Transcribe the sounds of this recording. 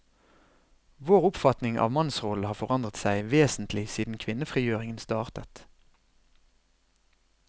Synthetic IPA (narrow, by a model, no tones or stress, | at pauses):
ʋoːʁʊpfɑt̪nɪŋʔɑ̰ːʋmɑnsʁol̩hɑːfɔʁɑnd̪ʁət̪sæɪʋeːsn̩t̪ʰlɪsiːd̪n̩kʰʋɪnəfʁiːjøːʁɪŋənst̪ɑːʁt̪ət̪